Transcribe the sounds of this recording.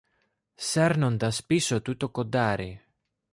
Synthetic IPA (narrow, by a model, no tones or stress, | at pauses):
sɛrnond̪aspisot̪ut̪ːokod̪ːaːɾi